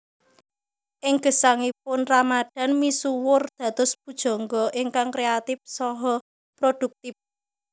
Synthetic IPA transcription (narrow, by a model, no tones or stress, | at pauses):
ʔɪŋɡ̥ə̤saŋip̚ʊnramad̥a̤nmisuwʊrd̪̥ä̤t̪ʊspud̥ʒ̥ɔ̤ŋɡɔʔɪŋkaŋkɾeat̪ɪfsɔɦɔ | pɾod̥ṳk̚t̪ɪp̚